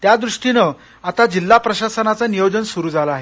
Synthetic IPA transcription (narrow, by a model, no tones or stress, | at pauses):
t̪jad̪ɾuʂʈinə | at̪ad͡ʑilːapɾəɕasənat͡sanijod͡ʑənsuɾuːd͡zʱalaaɦe